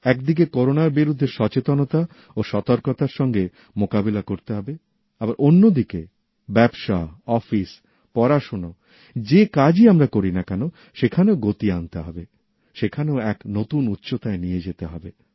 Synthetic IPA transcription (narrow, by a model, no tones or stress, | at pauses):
ɛkd̪ik̬ekoɾonaɾbiɾud̪ʱːeɾʃɔt͡ɕet̪onot̪a | oʃɔt̪oɾkot̪aɾʃɔŋɡe | mokabilakoɾt̪eɦɔbe | abaɾʔonːod̪ike | bɛbʃaɔfis | pɔɾaʃono | d͡ʑekad͡ʑiamɾakoɾinakɛno | ʃekʰaneoɡot̪iant̪eɦɔbe | ʃekʰaneoɛknot̪unut̪ːɕot̪aenijed͡ʑet̪eɦɔbe